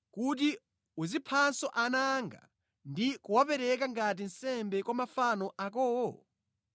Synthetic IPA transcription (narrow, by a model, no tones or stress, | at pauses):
kut̬i | uzipʰansɔʔanaŋɡa̰ | ndikuwapɛɾɛk̬aŋɡat̬in̩sɛmbɛkwamafanɔʔakɔːwɔ